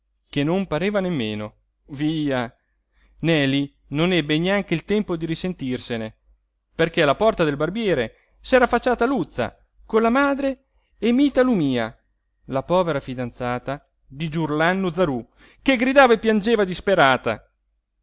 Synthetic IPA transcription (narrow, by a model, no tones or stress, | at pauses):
kenːompaɾeːvanemːeːno | viːa | nɛːli | nonɛbːeneaŋk̟eilt̪ɛmpod̪iɾisent̪irsene | perkelapɔrt̪ad̪elbarbjɛːɾe | sɛːɾafat͡ʃːaːt̪alut̪sːa̰ | kolːamaːd̪ɾeː | miːt̪alumiːa | lapɔːveɾafid̪ant̪saːt̪a | d̪id͡ʒurlanːod̪zaɾu | keɡɾid̪aːvaepːjand͡ʒeːvad̪ispeɾaːt̪a̰